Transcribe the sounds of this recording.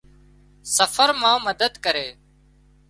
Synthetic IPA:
səfʰəɾmãːməd̪əd̪kəɾeː

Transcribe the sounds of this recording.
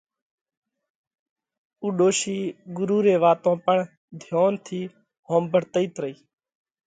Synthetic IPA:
uːɗoːʃiːɡʊɾuːɾeːʋaːt̪õːpəɳ | d̪ʱjoːnt̪ʰiː | hõːmbəɽt̪əiːt̪ɾəiː

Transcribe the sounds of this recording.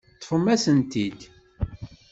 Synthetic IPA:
t̪ːˤfəmːæsənt̪id̪

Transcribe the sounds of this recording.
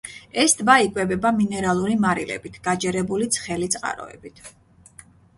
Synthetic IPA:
ɛsd̪baikʼwɛbɛbaminɛɾalˠuɾimaɾilɛ̰bit̪ʰɡ̥ad͡ʒɛɾɛbulit̪sʰχɛlit̪sʼqʼa̰ɾɔ̰ɛ̰bit̪ʰ

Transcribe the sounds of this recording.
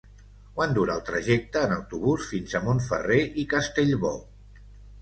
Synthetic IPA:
kwand̪uɾaːlˠt̪ɾəʒɛk̚t̪əːnəwt̪uβusfinzəmoɱfə̰reʔikəst̪eʎβɔ

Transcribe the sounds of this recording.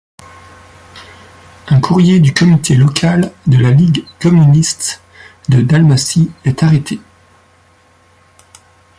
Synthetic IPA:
ɛ̃kʰuʁjed̪ykɔmit̪ʰelɔkʰald̪əlaliɡkɔmynist̪ | d̪əd̪almasiɛt̪aʁet̪ʰe

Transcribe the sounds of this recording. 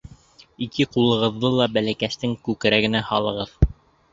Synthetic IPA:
ikʰɘqulˠɤ̆ʁɤ̆ðːɤlˠɑbælækæst̪ɘŋkʉkɘ̆ɾæɡɘ̆næhɑlˠɤ̆ʁɤð

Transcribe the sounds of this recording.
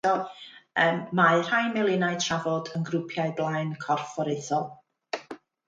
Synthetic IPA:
ɔəmːaɨr̥ajmɛlˠɪnaɨtʰravɔdənɡrʊpʰjaɨblˠajnkʰɔrfɔɾejθɔlˠ

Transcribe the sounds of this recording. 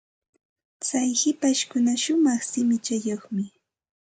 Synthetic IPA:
t͡sajhɪpaʃkʊnaʃʊmɑχsɪmɪt͡ʃajoχmɪ

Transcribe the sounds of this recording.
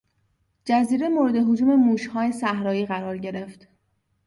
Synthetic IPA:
d͡ʒæziːɾe̞moɾed̪e̞ɦod͡ʒuːmemuːʃhɒːjesæhɾɒːjiːɣæɾɒːɾɟe̞ɾe̞ft̪

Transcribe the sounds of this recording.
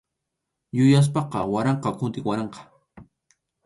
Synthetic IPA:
jʊjas̬pɑqɑwaɾɑɴqɑkʊnt̪ɪkwaɾɑɴqɑ̥

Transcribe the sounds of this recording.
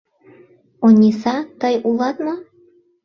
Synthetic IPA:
onʲisɑt̪əjulˠɑt̪mɑ

